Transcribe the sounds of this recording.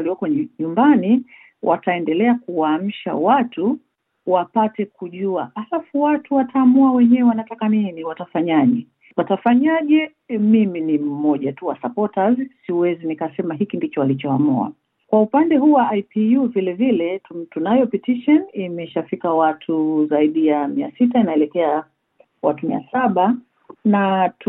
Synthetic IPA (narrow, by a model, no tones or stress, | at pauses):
liwɔkɔɲumbani | wʔa̰taɛndɛlɛakuwaːm̩ʃa̰watu | wapatɛkuʄuaalafuwatuwataːmuawɛɲɛwɛwanatakaniniwatafaɲaʄɛ | watafaɲaʄɛ | miminim̩mɔʄatuwasapɔtazsiuwɛzinikasɛmaɦikindit͡ʃɔwalit͡ʃɔamua̰ | kwaupandɛɦuwaajpijuvilɛvilɛtutunajɔpitiʃɔnimɛʃafikawatʰuzaiɗijamia̰sitainaɛlɛkɛa | watumia̰saɓa | nat